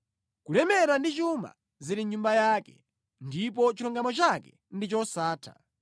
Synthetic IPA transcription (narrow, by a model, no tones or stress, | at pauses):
kulɛmɛɾandit͡ʃuma̰ | ziɾiɲumbajaːkɛ | ndip̬ɔt͡ʃiɾɔŋɡamɔt͡ʃakɛ | ndit͡ʃɔsaːtʰa̰